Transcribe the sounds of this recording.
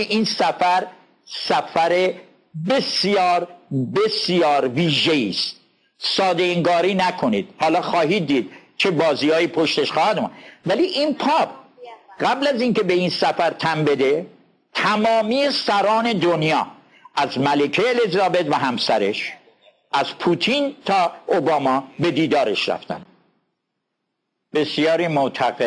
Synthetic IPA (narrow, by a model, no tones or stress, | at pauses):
ʔinsæfæɾ | sæfæɾe | besjɒːɾbesjɒːɾviːʒeiːst̪ | sɒːd̪eiŋɡɒːɾiːnækʰo̞niːd̪̥hɒːlɒːxɒːɦiːd̪ːiːd̪̥̚t͡ʃʰe̞bɒːziːhɒːiːpʰoʃt̪eʃxɒːhæd̪mṵvæliʔinpʰɒːbɢæblæzinke̞be̞insæfæɾt̪ʰæmbe̞d̪e | t̪ʰæmɒːmijesæɾɒːne̞d̪onjɒː | ʔæzmælekʰeːlezɒːbe̞d̪væɦæmsæɾeʃ | ʔæz̥pʰuːt̪ʰint̪ʰɒːʔobɒːmɒːbe̞d̪iːd̪ɒːɾeʃɾæ̰ft̪æ̰n | be̞sjɒːɾimot̪ʰæɡe